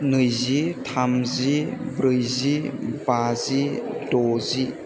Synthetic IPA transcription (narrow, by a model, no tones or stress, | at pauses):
nɯjzitʰamzibɾɯjzibazidɔzi